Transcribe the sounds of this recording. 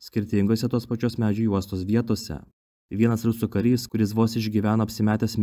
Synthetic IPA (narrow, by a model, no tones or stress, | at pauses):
sʲkʲɪɾʲt̪ʲɪŋɡoːsʲɛt̪oːspɐt͡ʃʲoːsmʲæːd͡ʒʲʊjuɔst̪oːsʋʲiɛt̪oːsʲɛ̰ | ʋʲiɛnɐsɾʊsʊkɐɾʲiːskʊɾʲɪsʋoːsɪʒʲɡʲiːʋʲæːnoːɐpʲsʲɪmʲæːt̪ʲeːsmʲ